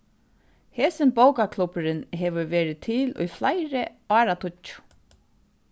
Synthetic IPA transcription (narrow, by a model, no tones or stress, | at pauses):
hɛːsɪnbowkakʰlʊpɪɾɪnɦɛʋʏɹʋeːɾɪt̪ʰɪlʊ̰jflajɾɪɑːɾat̪ʰʊt͡ʃːʊ̥